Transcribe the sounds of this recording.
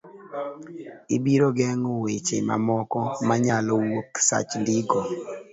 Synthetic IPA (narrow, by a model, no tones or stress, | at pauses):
ibiɾoɡɛŋowet͡ʃema̰mɔkɔmaɲalɔwoksa̰t͡ʃndiɡɔ